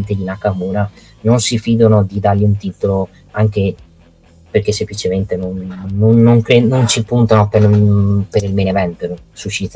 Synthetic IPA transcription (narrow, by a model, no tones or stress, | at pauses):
nt̪ed̪inakamuːna | nonsifiːd̪onod̪id̪arʎiunt̪it̪olo | aŋke | perk̟esːemplit͡ʃement̪enonːonːoŋkɾenont͡ʃipunt̪anopepeɾilmenevɛmp̪eɾosut͡ʃːit̪